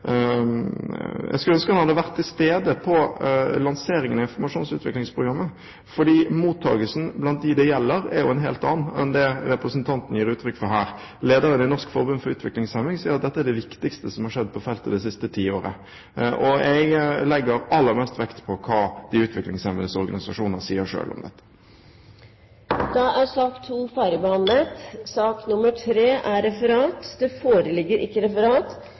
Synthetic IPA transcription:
jɛ̰ɡskʉlœnskənhɑd̪əʋæɾt̪ʰːɪlst̪eːd̪əpʰɔlɑnseːɾɪŋənɑɪnfɔɾmɑʂuːnsʉ̰ːt̪ʰʋɪklɪŋspʰɾʊɡɾɑmːə | fɔɖiːmuːt̪ʰːɑ̰ːɡəlsn̩blɑnt̪̚d̪ɪd̪ɛjɛlːəɾɛ̰ɾjʊɛnɦeːlt̪ɑ̰ːn̩ɛ̰nd̪ɛɾɛpɾəsənt̪ʰɑnt̪n̩jiːɾʉːt̪ʰɾʏkːfɔɾɦæːɾ | leːd̪əɾənɪnɔʂkfɔɾbʉnfɔɾʉːt̪ʋɪklɪŋsɛmɪŋsiːəɾɑt̪̚d̪ɛt̪ːəæɖɛʋɪkt̪ɪkst̪əsɔmhɑɾʂɛd̪̚ːpʰɔfɛlt̪əd̪ɛsɪst̪ət̪ʰiːoːɾə̰ | ʔɔɛɡlɛɡːəɾɑlːəɾmɛlst̪ʋɛkt̪pʰɔkʰɑːd̪ɪʉːt̪ʰʋɪklɪŋsɛməəsɔɾɡɑ̰nɪsɑʂuːnnəsiːəɾʂø̰ːlɔ̰md̪ɛ̰t̪ːə̥ | d̪̥ɑæɾsɑːkt̪ʰuːfæːɾəbəhɑnlət̪sɑːknʊmːəʈʰɾeːʔæɾɛfəɾɑːt̪d̪ɛfoːɾəlɪɡːəɾʔɪkːəɾɛfəɾɑːt̪

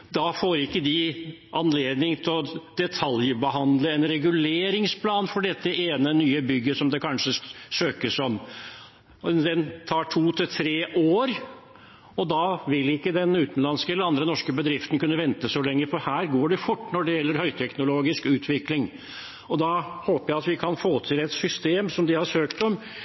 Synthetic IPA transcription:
d̪ɑfoːɾɪkːəd̪ɪ | ʔɑnleːd̪nɪŋt̪ʰɪlɔd̪̥ɛt̪ʰɑljbəɦɑnd̪ləɛnɾɛɡʉleːɾɪŋspʰlɑːnfɔɖɛt̪ːəeːnənyːəbʏɡːəsɔmd̪ɛkʰɑnʂəsøːkəsɔm | d̪ɛnt̪ʰɑːʈʰuːt̪ʰɪlt̪ʰɾeːʔoːɾ | ɔd̪ɑʋɪlɪkːəd̪ɛnʉːt̪ən̩lɑnskəɛlːəɾɑnd̪ɾənɔʂkəbəd̪ɾɪft̪ənkʉnːəʋɛnt̪əsɔlɛŋːəfɔhæːɾɡoːɖɛfʊʈːnɔɖɛjɛlːəɾhœʏt̪ʰɛknʊloːɡɪskʉːt̪ʰʋɪklɪŋ | ɔd̪ɑhoːpəjæɪɑt̪ʋɪkʰɑnfoːt̪ʰɪlɛt̪sʏst̪eːmsɔmd̪ɪhɑʂøːkt̪ɔm

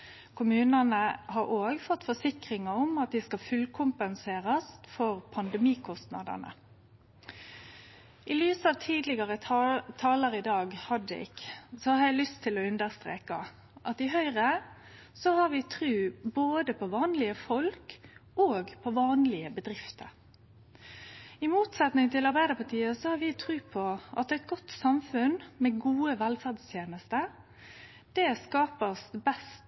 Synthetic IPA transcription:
kʰʊmʉːnɑnəɦɑɾʔoːɡfɔt̪ːfɔsɪkɾɪŋɑʊmɑt̪̚d̪ɪskɑfʉlkʰʊmpənseːɾɑsfɔɾpʰɑnd̪ɛmiːkʰɔst̪nɑd̪ə̰nə̰ | ʔɪlyːsɑːʋt̪ʰiːd̪lɪɡɑʁət̪ʰɑːləɾɪd̪ɑːɡhɑd̪ə̰ɪ̰ksɔhɑɾɛɪlʏst̪ʰɪlɔʉnd̪əʁst̪ɾḛːkɑ | ʔɑt̪ɪɦœʏʁə | sɔhɑɾʋɪt̪ʰɾʉːboːd̪əpʰɔʋɑːnlɪəfɔlkoːɡpʰɔʋɑːnlɪəbəd̪ɾɪft̪ʰəɾ | ɪmuːt̪sɛt̪nɪŋt̪ʰɪlɑɾbæɪd̪əpʰɑt̪ʰiːəsɔhɑɾʋɪt̪ʰɾʉːpʰɔʔɑt̪æɪt̪̚ɡɔt̪ːsɑmfʉnmɛɡuːəʋælfæʁd̪st̪ʰjeːnəst̪ə | d̪̥ɛskɑːpəsbɛst̪

